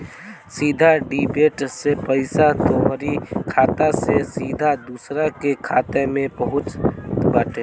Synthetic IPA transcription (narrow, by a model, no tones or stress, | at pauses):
siːd̪ʱaɖiːbeːʈsepəɪsat̪oːɾikʰaːt̪asesiːd̪ʱad̪uːsɾakekʰaːt̪emẽpɐɦʊt͡ʃbaːʈe